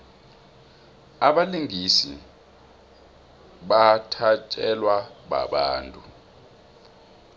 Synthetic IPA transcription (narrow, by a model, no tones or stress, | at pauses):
aɓaliŋisḭ | ɓatʰat͡ʃʼɛlwaɓa̰ɓaːntʼu